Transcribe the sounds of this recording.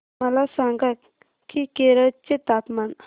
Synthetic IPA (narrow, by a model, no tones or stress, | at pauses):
əlasãŋɡət̪ | kikeɾət͡set̪at̪man